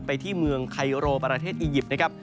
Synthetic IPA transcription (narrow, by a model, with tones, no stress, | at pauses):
pa˧jt̪ʰiː˥˩mɯ˧əŋkʰa˧jɾoː˧pɾa˧t̪ʰeː˥˩t̪̚ʔiː˧ji˨˩p̪̚na˥kʰa˦˥p̚